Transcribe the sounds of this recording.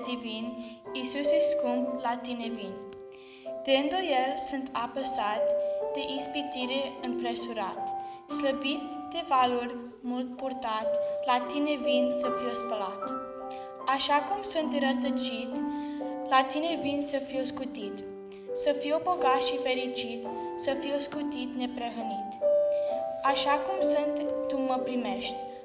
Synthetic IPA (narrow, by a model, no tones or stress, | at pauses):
d̪ivinisuseskumblat̪inevin | d̪̥eɨnd̪ojelsunt̪ʰapəsat̪d̪̥eʔispit̪iɾeɨmpɾe̞suɾat̪sləbit̪ | d̪evalurʲ | mult̪̚purt̪at̪lat̪inevinsəfiespəlat̪ | aʃakumsunt̪ɨɾət̪ət͡ʃit̪lat̪inevinsəfiwskut̪it̪ | səfioboɡat̪ʃife̞ɾit͡ʃit̪səfiskut̪it̪ne̞pɾeɦənit̪ | aʃakumsunt̪ːuməpɾime̞ʃt̪ʲ